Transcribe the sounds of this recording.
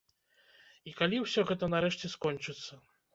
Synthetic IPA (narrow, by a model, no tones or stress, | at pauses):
ikalʲiwsʲɔɣɛt̪ɐnaɾɛʂt͡sʲɛskɔnʲt͡ʂɨt̪sːɐ